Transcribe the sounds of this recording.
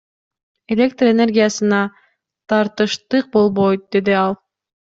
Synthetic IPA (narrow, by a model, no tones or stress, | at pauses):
e̞lʲe̞k̚t̪rene̞rɡʲijasɯnɑ | t̪ʰɑɾt̪ɯʃt̪ɯq̚bo̞lˠβo̞jt̪̚d̪e̞d̪iɑlˠ